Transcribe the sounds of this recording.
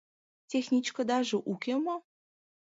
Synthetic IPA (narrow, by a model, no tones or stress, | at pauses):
tʲexnʲit͡ɕkod̪ɑʒəʔukʲemo